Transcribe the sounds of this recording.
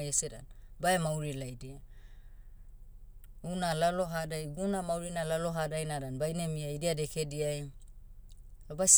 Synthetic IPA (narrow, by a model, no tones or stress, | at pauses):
jesɛɾa̰nbaɛmawɾilajdia | unalalɔɦadajɡunamawɾinalaloɦadajnaɾanbajnemiajdiadɛkʰediaj | abas